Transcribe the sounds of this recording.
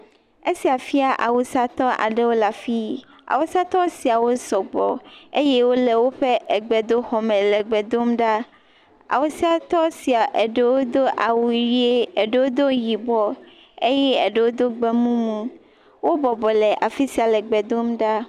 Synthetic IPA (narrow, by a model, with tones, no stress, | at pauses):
e˦si˨a˨fi˦a˨ʔa̰˨wu˨sa˦t̪ɔ˦ʔa̰˨ɖe˦wo˦la˨fi˦ | a̰˨wo˦si˦a˦t̪ɔ˦si˨a˨wo˦sɔ˨ɡ͡bɔ̰˨e˦jɛ˦wo˦le˨wo˦ɸe˦ʔe˨ɡ͡bɛ˨d̪o˦xɔ˨mɛ̃˨lɛ˨ɡ͡bɛ˨d̪o˦mɖa˦ | a̰˨wo˨si˦a˨t̪ɔ˦si˨a˨ʔe˨ɖe˦wo˦d̪o˦ʔa˨wu˨ɾi˦e˦e˨ɖe˨˦wo˦d̪o˦ji˨bɔ˨ | e˦jɛ˦˨ɖe˨wo˦d̪o˦ɡ͡be˦mũ˦mũ˦ | wo˦bɔ˨bɔ˨lɛ˨ʔa˨fi˦si˦a˨lɛ˨ɡ͡bɛ˨d̪o˦mɖa˦